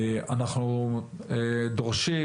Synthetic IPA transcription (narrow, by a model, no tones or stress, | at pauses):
anaχnu | d̪oʁʃi